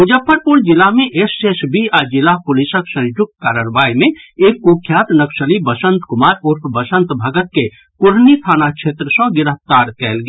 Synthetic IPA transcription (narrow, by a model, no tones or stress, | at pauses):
ɦud͡ʒəpʰːəɾpuld͡ʒilaɦmeʔesesbiad͡ʒilapulisəksə̃nd͡ʒuk̚t̪̚kaːɾəɾbaimẽekːokʰːjaːt̪nəksəlibəsə̃nt̪kumaːɾoɾkʰbəsə̃nt̪bʱəɡət̪̚ke | kuɾnit̪ʰaːnat͡ʃʰet̪ɾəsə̃ɡɪɾəɦpt̪aɾkɛːlɡ